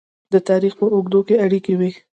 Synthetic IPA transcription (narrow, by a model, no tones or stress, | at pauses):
d̪ət̪ɑɾixpəʊɡd̪okeaɽikewi